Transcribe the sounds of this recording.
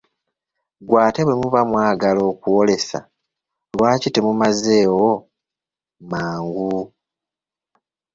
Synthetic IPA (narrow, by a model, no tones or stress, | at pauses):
ɡwaːteβweimuβamwaːɡalo̞ːkuwo̞le̞sa̰ | lwaːcitemumaze̞ːwo | maːŋɡu